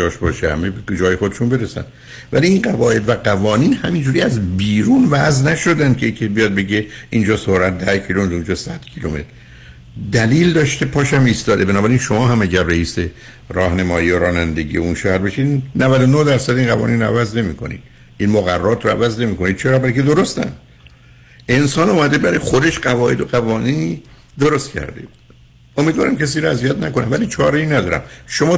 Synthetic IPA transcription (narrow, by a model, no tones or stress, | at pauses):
ɒːʃbɒːʃehæ̰mebed͡ʒɒːje̞xod̪eʃunbe̞ɾesæ̰n | væ̰liinɡævɒːʔe̞d̪væɡævɒːniːnhæmind͡ʒuːɾiːæzbiːɾuːnvæznæʃo̞d̪ænd̪̚cʰeicʰebijɒːd̪̚be̞ɟeʔind͡ʒɒːsohɾæt̪̚d̪æhcʰiluomet̪und͡ʒɒːsæd̪̥cʰilome̞t̪ɾ | d̪æliːld̪ɒːʃt̪epʰɒːʃæmist̪ɒːd̪ebenɒːbæɾinʃomɒːɦæmæɟæɾːeiːse̞ | rɒːhnemɒːjiːoɾɒːnænd̪e̞ɟḭjeunʃoːhæɾbeʃid̪nævæd̪onohd̪æɾsæd̪iːnʁævɒ̰ːniːnɾoæ̰væzne̞miːkʰo̞̰nḭd̪̥̚ | inmoɣærːɒːt̪ʰɾoæ̰væzne̞miːko̞nid̪̥̚t͡ʃʰeɾɒːbælked̪o̞ɾost̪æ̰n | e̞nsɒːnuːmæd̪ebæɾɒjxod̪e̞ʃɢævɒːʔed̪oɣævɒːniːni | d̪oɾost̪cʰæ̰ɾd̪ḛ | omid̪vɒ̰ːɾæmcʰes̬iːɾoæzijæt̪næko̞nævæliːt͡ʃʰɒːɾeiːnæd̪ɒːɾæ̰mʃo̞mɒː